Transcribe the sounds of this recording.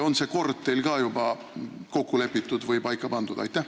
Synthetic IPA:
o̞nse̞ːko̞rt̪ːˑe̞lʲkɑːjubɑ | ko̞kːule̞pːit̪ːˑud̪vɯjpɑjkːˑɑpɑnd̪̥ud̪̥ɑ̰jt̪ːˑæh

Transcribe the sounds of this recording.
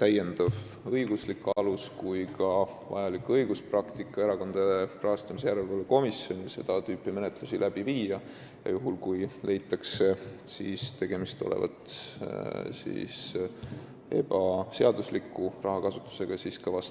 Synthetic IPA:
t̪æje̞nd̪̥ɑv | ɤiɡ̥uslikːɑluskujkɑ | vɑ̰jɑlikːɤjɡ̥usprɑkt̪ikːˑɑe̞ɾɑko̞nd̪̥ɑerɑɦɑst̪ɑmise̞jæɾe̞lvoːluko̞misjo̞nise̞d̪̥ɑt̪yːpːˑime̞net̪ˑlusilʔæb̥iviːjɑ | jɑ̰juɦulkujlʔe̞jt̪ːˑɑkse̞sḭːst̪e̞ɡ̥e̞mist̪o̞̰lḛvɑ̰t̪ | sḭːs | e̞̰b̥ɑse̞ɑd̪uslikːˑurʔɑɦɑkɑsut̪ːˑu̥se̞ɡ̥ɑsiskɑvɑst̪

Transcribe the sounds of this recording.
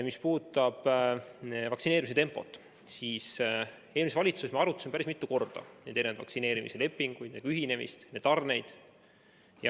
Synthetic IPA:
mispuːt̪ːˑɑb̥ | vɑksineːɾimisee̞mpːˑo̞̰t̪ːˑ | siːs | eːlmisevɑlʲit̪susesmɑɑɾut̪ːˑɑ̥simpæɾismit̪ːˑuko̞rd̪̥ɑ̰ned̪ened̪vɑ̰ksine̞ːɾimisele̞pːiŋɡ̥ujd̪ned̪kyɦine̞mḭst̪ne̞d̪ɑrne̞jd̪̥ | jɑ

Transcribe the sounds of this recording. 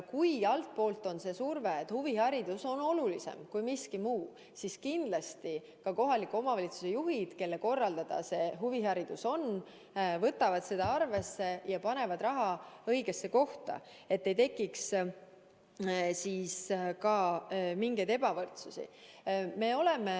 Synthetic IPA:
kujɑlt̪̚po̞ːlt̪ːˑo̞nse̞ːsurveːt̪ːˑhuviɦæɾid̪uso̞no̞lulise̞̰mkujmiskimuː | siskind̪̥lɑst̪i | kɑko̞ɦɑlikːuo̞mɑvɑlit̪su̥se̞juɦid̪̥ke̞lːe̞ko̞rːɑld̪̥ɑd̪̥ɑ̰se̞ɦuviɦæɾid̪̥uso̞n | vɤt̪ːˑɑvɑd̪̥se̞d̪̥ɑɑrve̞sːe̞jɑpɑne̞vɑd̪rɑɦɑɤjɡe̞sːe̞ko̞ht̪ɑ̰ | e̞t̪ːe̞jt̪e̞kːˑiks | siːskɑmiŋɡe̞jd̪ebɑvɤrt̪susḭme̞ːo̞le̞me

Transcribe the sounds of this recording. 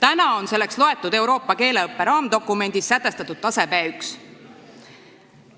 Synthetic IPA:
t̪ænɑo̞nse̞lːe̞kslo̞e̞t̪ːˑud̪̥e̞wɾo̞ːpːˑɑke̞ːle̞ɤpːe̞ɾɑːmd̪o̞kˑːume̞nʲd̪̥isːæt̪ːˑe̞st̪ɑt̪ːud̪̥t̪ːɑse̞beːyks

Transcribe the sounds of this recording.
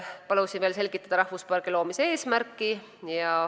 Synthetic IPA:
pɑlusinveːls̬e̞lɡ̥it̪ːˑɑd̪̥ɑɾɑhvuspɑrɡ̥ilo̞ːmisee̞ːsmæɾkːˑi | jɑ

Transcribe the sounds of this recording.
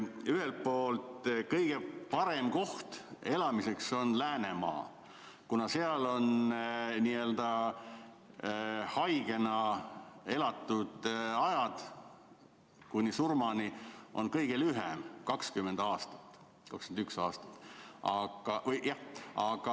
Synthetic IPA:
yɦelt̪̚po̞ːlt̪kɤjɡ̥e̞pɑɾe̞mko̞ht̪e̞lɑmise̞kso̞nlæːne̞mɑ̰ː | kunɑse̞ɑlo̞n | niø̞ld̪̥ɑ | hɑjɡe̞nɑ | e̞lɑt̪ːˑud̪̥ɑjɑd̪̥ | kunʲːisurmɑniʔo̞nkɤjɡe̞lyɦemkɑkskymːe̞nd̪̥ɑːst̪ɑ̥t̪ː | kɑkskyend̪yksɑːst̪ɑ̥t̪ːɑɡ̥ɑɤjjɑhɑɡ̥ɑ

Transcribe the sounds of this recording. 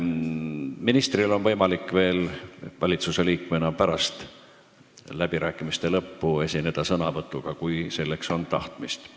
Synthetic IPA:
minist̪rilo̞nvɤjmɑlikːˑve̞ːlvɑlʲit̪suse̞liːkmenɑpæɾɑst̪ | læb̥iɾʔæːkːˑimist̪e̞lɤpːue̞sine̞d̪̥ɑsɤnɑvɤt̪ːuɡ̥ɑkujse̞lːe̞kso̞nt̪ɑht̪mist̪

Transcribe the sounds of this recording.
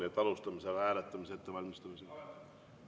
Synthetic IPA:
net̪ɑlust̪ɑmiseæːlæt̪ːæmiset̪ːæʋɑlʲmist̪ɑmisek

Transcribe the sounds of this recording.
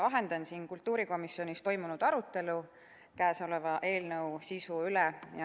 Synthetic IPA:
vɑɦe̞nd̪̥ɑnsiːnkult̪ːˑuːɾiko̞misːionist̪o̞jmunud̪̥ɑɾut̪ːˑe̞lu | kæːso̞le̞vɑʔe̞ːlnɤwsisuylɛjɑ

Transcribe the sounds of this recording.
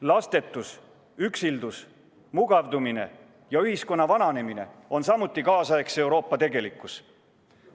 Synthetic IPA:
lɑst̪e̞t̪ːˑus | yksild̪̥us | muɡ̥ɑvd̪umine̞̰ | jɑyhisko̞nːɑvɑnɑne̞mine̞̰o̞nsɑmut̪ˑːikɑːsɑekse̞uwɾo̞ːpːˑɑt̪e̞ɡe̞likːˑus

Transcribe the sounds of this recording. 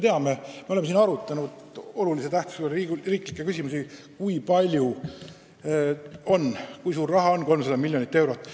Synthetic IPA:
t̪e̞ɑme̞meo̞lemeiːnɑɾut̪ːˑɑnud̪ | o̞luliset̪æht̪u̥sliriːklikˑːekysʲimusikujpɑlʲju | o̞nkujsuːrːɑɦɑonko̞lmsɑd̪ɑmilʲjo̞nit̪ːe̞wɾot̪ːˑ

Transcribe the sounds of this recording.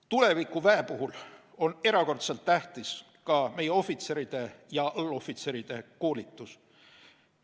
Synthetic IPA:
t̪ule̞vikːˑuvæepuɦul | o̞ne̞ɾɑko̞rt̪selt̪ːæht̪is | kɑme̞jeo̞fit̪se̞ɾid̪̥e̞jɑʔelːo̞fit̪se̞ɾid̪̥e̞ko̞ːlit̪ˑːus

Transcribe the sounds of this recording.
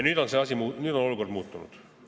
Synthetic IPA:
ɑnyːd̪onseɑsimuːnyːd̪onoluko̞rd̪̥muːt̪ːunṵd̪̥

